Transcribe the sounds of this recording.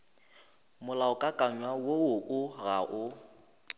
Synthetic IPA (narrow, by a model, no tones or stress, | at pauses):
mʊlaʊkʼakʼaɲwawoʊʔʊɣaʔʊ